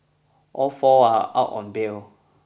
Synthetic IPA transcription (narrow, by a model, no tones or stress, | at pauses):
ɔfɔaa̰ʔɔ̰̃n̩beo